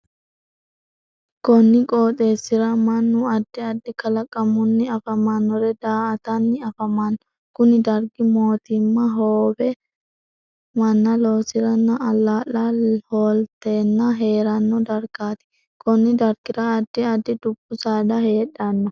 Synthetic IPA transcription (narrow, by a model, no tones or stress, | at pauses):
kɔnːɪkʼoːt̪ʼe̞ːsːɪɾɐmɐnːʊɐd̪ːɪɐd̪ːɪkɐlɐkʼːɐmːʊnːɪɐfɐmɐnːɔɾɛd̪aːɐt̪ɐnːɪɐfɐmanːɔ | kʊnɪd̪ɐɾɡɪmoːt̪ɪmːɐɦoːbɛ | mɐnːɐlo̞ːsɪɾɐnːɐɐlːaːlɐhoːlt̪eːnːɐɦe̞ːɾɐnːɔd̪ɐɾɡaːt̪ɪ̥ | kɔnːɪd̪ɐɾkɪɾɐːd̪ːɪɐd̪ːɪd̪ʊb̥ːʊsaːd̪ɐhe̞ːᶑːɐnːɔ